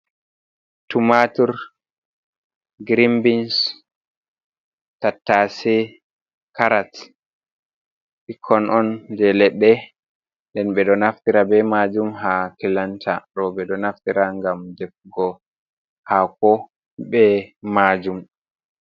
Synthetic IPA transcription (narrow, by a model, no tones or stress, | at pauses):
tumatuɾ | ɡɾimbins | tatːasɛ | kaɾat | ʔikʰːɔnʔɔndɛlɛɗːɛ | ndɛnɓɛɗɔnaftiɾabɛmad͡ʒumɦakilantʰaɗɔbɛɗɔnaftiɾaŋɡamdɛfɡɔ | hakɔ | ɓɛmad͡ʒum